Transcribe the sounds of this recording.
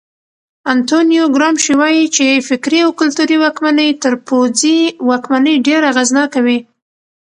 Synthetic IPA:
ant̪onijoɡɾɑmʃiwɑjit͡ʃefɪkɾiawkʊlt̪uɾiwɑkmanəjt̪əɾpod͡ziwɑkmanəjɖeɾaɣaznɑkawi

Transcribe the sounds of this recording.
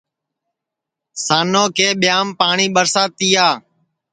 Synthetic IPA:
saːnoːkʰeːɓɪjaːmpaːɳiːɓəɾsaːt̪iːjaː

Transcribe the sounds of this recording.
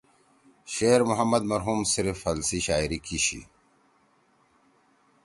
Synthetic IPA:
ɕeːɾmuɦɐmːɐd̪mɐɾɦuːmsiɾfɐlsiɕaːiɾikiɕḭ

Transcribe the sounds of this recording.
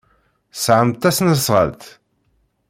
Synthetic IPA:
sʕəmt̪ːæsnəsʁə̰lt̪

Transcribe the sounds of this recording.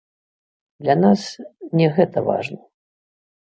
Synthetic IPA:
d̪lʲɐnasnʲɛɣɛt̪ɐva̰ʐnɐ

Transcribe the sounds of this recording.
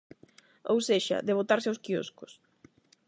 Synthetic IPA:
owseʃa̰ðeβ̞ot̪aɾseawskio̰skʊs

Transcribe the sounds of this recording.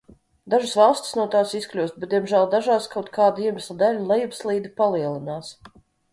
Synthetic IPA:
d̪aʒasvɑlˠsʲt̪ʲi̥snuɔt̪aːsisklʲuwst̪̚bet̪d̪ʲiɛmʒæːlˠd̪aʒaːskawt̪kʰaːd̪iɛmɪslˠad̪ælʲulˠɛjubslˠiːd̪ipalˠiɛlˠinaːs

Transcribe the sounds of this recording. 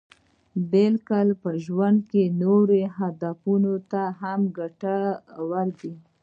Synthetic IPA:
belkalpəʒwand̪kenoɾeɦad̪afunot̪aɦamɡaʈawaɾd̪i

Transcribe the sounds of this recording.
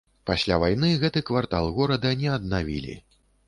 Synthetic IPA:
pasʲlʲavajnɨɣɛt̪ɨkvart̪a̰lˠɣɔɾɐd̪ɐnʲɛɐd̪̚navʲḭlʲḭ

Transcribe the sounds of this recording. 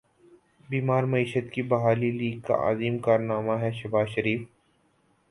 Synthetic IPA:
biːmaːɾmɐiːʃət̪kibɐɦaːliliːɡ̚ka̰ʔa̰ːziːmkaːɾnaːmaɦɛʃɐbaːzʃɐɾiːf

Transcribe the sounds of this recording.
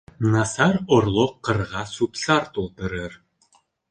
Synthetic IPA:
nɑsɑɾŏrlˠoqːɤ̆rʁɑsupsɑrt̪ulˠt̪ɤ̆ɾɯɾ

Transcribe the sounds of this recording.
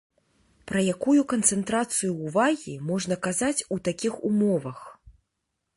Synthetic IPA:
pɾɐjakujukɐnt̪sɛnt̪ɾat̪sɨjuːvaɣʲimɔʐnɐkazat͡sʲut̪akʲixumɔvɐx

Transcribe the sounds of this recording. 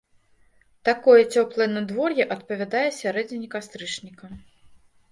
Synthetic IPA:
t̪akɔjɛt͡sʲɔplˠɐjnɐd̪vɔrjɛʔɐt̪pɐvʲad̪ajɛsʲaɾɛd͡zʲinʲikast̪ɾɨt͡ʂnʲikɐ

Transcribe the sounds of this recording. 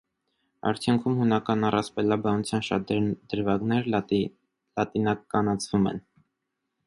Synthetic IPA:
ɑ̰ɾt͡sʰjuŋkʰumhunɑkɑnɑrɑspɛlɑbɑnut͡sʰjɑnʃɑd̪̥əɾvɑɡnɛɾ | lɑt̪inɑkɑnɑt͡sʰvumɛ̰n

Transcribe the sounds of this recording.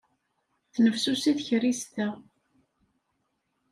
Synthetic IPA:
θnəfsusiθçɾist̪ə

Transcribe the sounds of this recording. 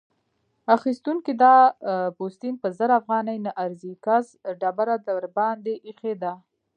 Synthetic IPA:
axist̪uŋkid̪ɑpost̪inpəzəɾafɣɑnajnaʔaɾzikazɖabaɾad̪aɾbɑnd̪eʔixed̪a

